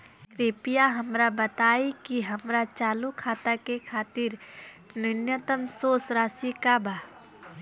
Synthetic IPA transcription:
kɾeːpijaɦɐmɾabət̪aːikiɦɐmɾat͡ʃaːlukʰaːt̪akekʰaːt̪ɪɾ | nɪnjət̪əmsoːsɾaːsikabaː

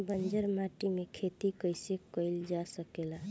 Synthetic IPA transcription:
bənd͡ʒəɾmaʈimekʰet̪ikəjsekəɪld͡ʒasəkela

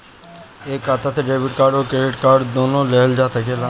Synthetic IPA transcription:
eːkːaːt̪aseɖeːbɪʈkaːɾɖoːɾkɾeːɖɪʈkaːɾɖd̪oːnõleːəld͡ʒaːsɐkeːla

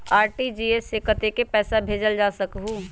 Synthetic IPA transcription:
aːɾʈid͡ʒiːesekət̪ekepɛːsabʱeːd͡ʒəld͡ʒaːsɐkɦũ

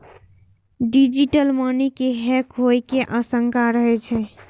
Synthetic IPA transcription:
ɖid͡ʒiʈəlmənikeɦɛkɦojkeʔəsəŋkaɾəɦɛt͡ʃʰɛ

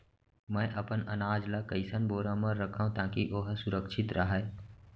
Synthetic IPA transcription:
mɛ̃ʔɐpənənaːd͡ʒlakəɪsənboːɾãməɾːəkʰaũt̪ãːkiʔoɦsʊɾəkʃʰɪt̪ɾʔəɦɛː

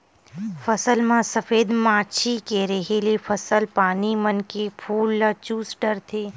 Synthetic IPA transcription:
fɐsəlmãsɐfeːd̪mãːʃʰikeɾɐɦelefʰɐsəlpaːnimɐnkepʰuːlːat͡ʃuːsɖɐɾt̪ʰeː

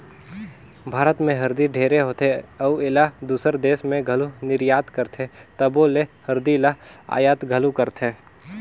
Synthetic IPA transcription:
bʱaːɾət̪mẽɦɐɾd̪iɖʱeːɾeɦoːt̪eɐʋelad̪uːsəɾd̪eːsmẽɡʱɐlunɪɾjaːt̪kəɾt̪ʰet̪ɐboːlehɐɾd̪ilaa̰ːjaːt̪ɡʱɐlukəɾt̪ʰe

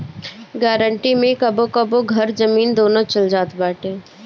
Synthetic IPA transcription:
ɡɛːɾəɳʈimẽkɐbokɐboɡʱɐɾzɐmiːnd̪oːnõt͡ʃɐld͡ʒaːt̪baːʈẽː

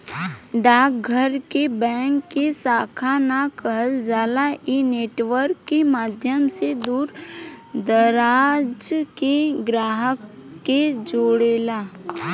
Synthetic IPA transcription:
ɖaːk̚ɡʱəɾkebɛ̃ːŋkːesaːkʰanakəɦəld͡ʒaːlaʔineːʈʋəɾkːemaːd̪ʱjəmsed̪uːɾd̪əɾaːd͡ʒkeɡɾaːɦəkː | ed͡ʒoːɽeːlaː

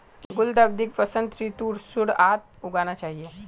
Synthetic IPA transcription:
ɡuld̪ab̚d̪ikʋəsənt̪ɾit̪uɽsuɽat̪̚ | uɡañat͡ɕaɦije

